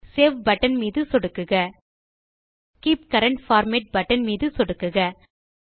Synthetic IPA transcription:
seːʋbɐʈːɐnmiːðɯsɔɽɯkːɯɣɐ | kiːp̚kɐɾɐɳʈfaːɾmeːʈ̚bɐʈːɐnmiːðɯsɔɽɯkːɯɣɐ

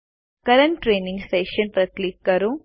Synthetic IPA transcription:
kɐɾɐɳʈʈɾeːnĩŋɡseːʃɐnpɾɐklikːɐɾũ

